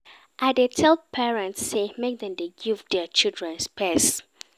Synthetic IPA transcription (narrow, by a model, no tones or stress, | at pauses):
ʔaɪdetʰɛl̚ˠpʰɛɹɛ̃ntsːemek̚dɛ̃mdeɡivdɛt͡ʃildɹɛ̃nspʰɛs